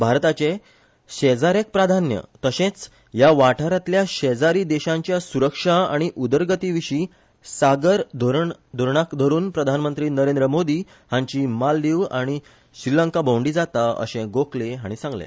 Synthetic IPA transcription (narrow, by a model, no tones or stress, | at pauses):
bʱaɾt̪at͡ɕe | ɕed͡zaɾek̚pɾad̪ʱanjə̰t̪əɕẽt͡s | jaʋaʈʰaɾat̪ljaɕɛd͡zaɾiːd̪eɕãɲt͡ɕjasuɾəkʂaa̰ɽ̃iʔud̪əɾɡət̪iʋiɕiː | saɡəɾd̪ʱɾd̪ʱoɾɳakd̪ʱəɾuːnpɾəd̪ʱanmənt̪ɾiːnəɾend̪ɾəmod̪iː | hãɲt͡ɕimalːiʋaɽ̃i | ɕɾiləŋkabõwɳɖiːd͡zat̪aə̰ɕẽɡokleɦaɽ̃isãŋɡlḛ